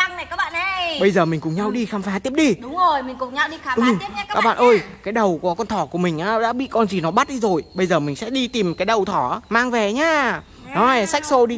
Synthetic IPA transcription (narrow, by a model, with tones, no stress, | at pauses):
a˧ŋa˨˩kaː˦˥k̚ɓa̰ː˧˨ʔə˧ɓə˧jzəː˨˩mï˨˩ŋ̟kʊ˨˩ŋ͡mɲa˧wɗi˧xaː˧mfaː˨˦t̪i˦˥əɗi˧ɗʊ˨˦ŋ͡mzo˨˩jmï˨˩ŋ̟kʊ˨˩ŋ͡mɲa˧wɗi˧aː˨˦ɨ˧˨˩kːaː˦˥k̚ɓa̰ː˧˨nʔəː˧˩jkaː˨˦jɗə˨˩wkɔ˨˦kɔ˧nt̪ʰɔ˧˩ku˧˩əmï˨˩ŋ̟ʔaː˨˧˦ɗa̰ː˧˥ɓḭ˧˨kɔ˧nzi˨˩nɔ˨˦ɓa˦˥t̚ɗi˧zo˨˩jɓə˧jzəː˨˩mï˨˩ŋ̟sɛ̰˧˥ɗi˧t̪i˨˩mkaː˨˦jɗə˨˩wt̪ʰɔ˧˩˨maː˧ŋvɛ˨˩ɲaː˧ | nɔ˨˦˨sa˦˥k̟̚so˧i˧